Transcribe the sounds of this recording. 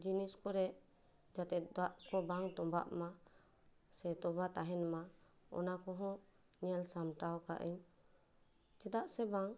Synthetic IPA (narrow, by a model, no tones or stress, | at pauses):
d͡ʒiniskɔɾɛ | d͡ʒat̪ɛt̪̚daʔkɔbaŋt̪ɔmba̰ʔma | sɛt̪ɔbat̪aɦɛnma | ɔ̰nakɔɦɔ̃ | niɛlsamʈawka̰ʔḭɲ | t͡ʃɛd̪aʔsɛbaŋ